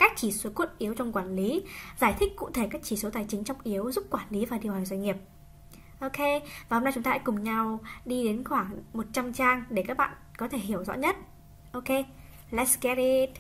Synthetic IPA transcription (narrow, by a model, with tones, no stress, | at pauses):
kaː˦˥k̚t͡ɕi˧˩so˨˦ku˦˥ət̚ʔi˨˦əwt͡ɕɔ˧wŋ͡mkwaː˧˩nli˨˦zaː˧˩jt̪ʰï˦˥k̟̚ʲkːṵ˧˨t̪ʰe˧˩kaː˦˥k̚t͡ɕi˧˩so˨˦t̪aː˨˩jt͡ɕï˨˦ŋ̟t͡ɕɔ˧wŋ͡mʔi˨˦əwzu˦˥p̚kwaː˧˩nli˨˦vaː˨˩ɗi˨˩əwhɛ˨˩ŋ̟zwa˧ŋ̟ŋi˨˩əp̚ | ʔo˧ke˧va˨˩o˧mna˧jt͡ɕʊ˨˦ŋ͡mt̪aː˧a̰ː˧˥kʊ˨˩ŋ͡mɲa˧wɗi˧ɗe˨˦nxwaː˧˩ŋmo˨˩t̚t͡ɕa˧mt͡ɕaː˧ŋɗe˧˩kaː˦˥k̚ɓa̰ː˧˨nkɔ˨˦t̪ʰe˧˩ɦi˧˩əwzɔ̰˧˥ɲə˦˥t̚ | ʔo˧ke˧ | lɛ˨˦˥skɛ˧˦ɾi˧